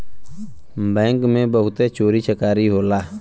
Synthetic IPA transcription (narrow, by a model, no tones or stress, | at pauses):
bɛ̃ːŋkmẽbəɦʊt̪et͡ʃoːɾit͡ʃʰəkaːɾiɦoːlaː